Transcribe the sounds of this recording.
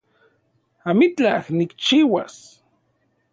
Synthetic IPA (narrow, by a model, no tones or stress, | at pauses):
amit͡ɬahnikt͡ʃiːwas